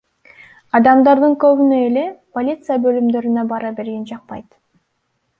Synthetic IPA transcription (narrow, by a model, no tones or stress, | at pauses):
ɑd̪ɑmd̪ɑɾd̪ɯŋkøβynøele̞po̞lʲit̪sɨjabø̞lymd̪ø̞ɾynøbɑɾɑbe̞ɾɡend͡ʒɑq̚pɑjt̪